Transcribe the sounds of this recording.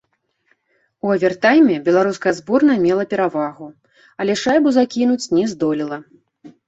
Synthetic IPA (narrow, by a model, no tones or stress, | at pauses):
uɐvʲɛrt̪ajmʲɛbʲɛlˠaɾuskɐjɐzbɔrnɐmʲɛlˠɐpʲɛɾavaɣu | ɐlʲɛʂajbuzakʲinut͡sʲnʲɛzd̪ɔlʲilˠɐ